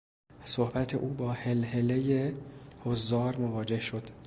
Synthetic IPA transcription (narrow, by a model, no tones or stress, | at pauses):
sohbæt̪ʰḛʔuːbɒːhelhe̞lejehozːɒːɾmovɒːd͡ʒe̞hʃo̞d̪̥